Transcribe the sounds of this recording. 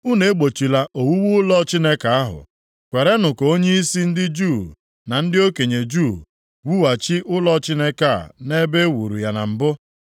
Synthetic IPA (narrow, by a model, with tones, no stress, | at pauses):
u˦ne˨e˦ɡ͡bo˨t͡ʃi˨la˨ʔo˨wu˦wu˦ʊ˦lɔ˦t͡ʃi˦ne˦ka˨a˦ɦʊ̰˨ | kʷe˨ɾe˦nʊ˨kɔ˨o˦ɲe˦i˦si˦n̩˦dɪ˦d͡ʒu˦˨ | na˨n̩˦dɪ˦o˦ke˨ɲe˨d͡ʒu˦˨ | wu˦wa˨t͡ʃi˦ʔʊ˦lɔ˦t͡ʃi˦ne˦ka̰˦˨ne˦be˦wu˨ɾṵ˨ja˨na̰˨m̩˨bʊ˦